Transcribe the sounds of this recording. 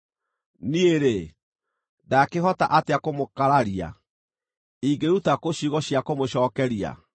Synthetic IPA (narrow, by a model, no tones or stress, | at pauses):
nieɾe | dakeɦɔta̰ʔateakomokaɾaɾia̰ | iɡeɾutakoɕiɣɔɕiakomoɕɔːkɛɾia̰